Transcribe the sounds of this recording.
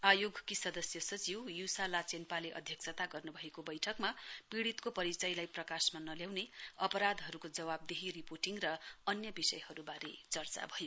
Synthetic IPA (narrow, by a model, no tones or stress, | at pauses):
ajoɡkisʌd̪ʌsjʌsʌt͡siwjusalat͡senpaleʔʌ̰d̪ʱjʌksʰʌt̪aɡʌrnubʱʌekobʌjʈʰʌkmapiɽit̪kopʌɾit͡sʌjlajprʌkasmanʌljawneʌpʌɾad̪ɦʌɾukod͡zʌwab̚d̪eɦiriporʈiŋrʌʌnjʌbisʌ̰jhʌɾubaɾet͡sʌrt͡sa̰bʱʌjo